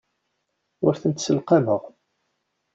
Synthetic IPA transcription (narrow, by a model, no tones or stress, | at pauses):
ʊɾθənt̪səlqaməʁ